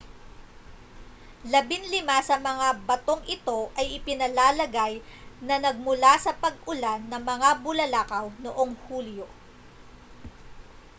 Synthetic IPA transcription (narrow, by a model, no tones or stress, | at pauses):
lɐbɪnlɪmasɐmɐŋabɐt̪o̞ŋʔɪt̪o̞ʔɐjʔɪpɪnɐlaːlɐɡajnɐnɐɡ̚mʊlasɐpɐɡ̚ʔʊlanːɐŋmɐŋabʊlɐlakɐwnoʔo̞ŋhuːljo̞